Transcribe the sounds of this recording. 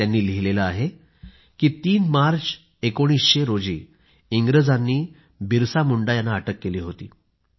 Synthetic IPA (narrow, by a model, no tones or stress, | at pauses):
janːiːliɦilelaaɦe | kiːt̪iːnmaɾt͡s | ekoɽ̃iːsɕeɾod͡ʑiː | iŋɡɾəd͡zanːiː | biɾsamuɳɖajanːaːʈəkːeliːɦot̪ḭː